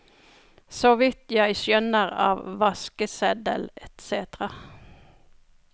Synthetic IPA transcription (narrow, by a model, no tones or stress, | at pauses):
sɔʋɪt̪jæɪsjœnəʁɑ̰ːʋʋɑskəsɛd̪ə̰lɛt̪seːt̪ʁɑ